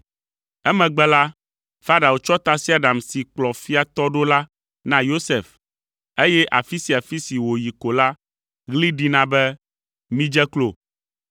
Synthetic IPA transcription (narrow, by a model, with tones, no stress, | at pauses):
ɛ˦mɛ̃˨ɡ͡bɛ˦la˦ | fa˦ɖa˨wo˨t͡ʃɔ˦t̪a˦si˦a˨ɖa˨msi˨k͡plɔ˨fi˦a˨t̪ɔ˦ɖo˦la˦ | nã˦jo˦se˨f | e˦jɛ˦ʔa˨fi˦si˨a˨fi˦si˨wo˨ji˨ko˨la˦ | ɣli˦ɖi˦nã˨bɛ˦ | mĩ˦d͡ʒɛ˦klo̰˨